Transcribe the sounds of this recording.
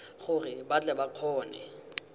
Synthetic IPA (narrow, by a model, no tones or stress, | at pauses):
χʊrɪbat͡ɬʼɛbaq͡χʰɔːnɛ̰